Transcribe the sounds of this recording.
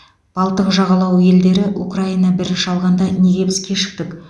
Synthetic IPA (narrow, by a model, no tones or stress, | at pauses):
b̥ɑlˠt̪əqʒɑʁɑlˠɑwje̞ld̪e̞ɾɪʔukraijnɑbɪɾɪnʃɑlˠʁɑnd̪ɑne̞ɡʲe̞bɪzkʲe̞ʃɪ̥k̚t̪ɪk